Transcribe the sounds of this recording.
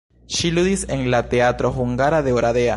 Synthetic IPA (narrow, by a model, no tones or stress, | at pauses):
ʃilud̪ise̞nlat̪e̞at̪ɾo̞xuŋɡaɾaðe̞oɾade̞a